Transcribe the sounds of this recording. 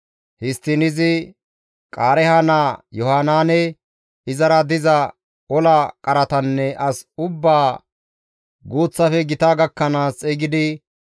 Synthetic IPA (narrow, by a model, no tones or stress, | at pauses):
hɪst̪ːɪnɪzɪ | kʼaːɾɛhanaːjɔhaːnaːnɛ | ɪzɐɾɐd̪ɪzɐ | ɔlɐkʼɐɾɐt̪ɐnːɛʔɐsʊbːaː | ɡoːt͡sːɐfɛɡɪt̪aːɡɐkːɐnaːsʼɛɡɪd̪ɪ